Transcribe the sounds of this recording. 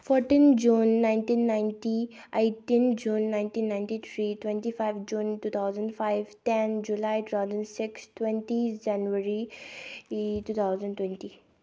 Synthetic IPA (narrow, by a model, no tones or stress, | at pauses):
fɔɾʈiːnd͡ʒunːãɪ̃nʈĩːnːãɪ̃nʈi | eɪʈĩnd͡ʒuːnːãɪ̃nʈĩːnːãɪ̃nʈit̪ʰɾitwɛ̃nʈifaɪʋd͡ʒũːnʈuːt̪ʰaʊzə̃ɳɖfaɪʋʈɛnd͡ʒulajʈut̪ʰaʊzə̃nsɪkstwɛ̃nʈid͡ʒanʋəɾi | tuːt̪ʰaʊzə̃ɳɖʈwɛ̃nʈi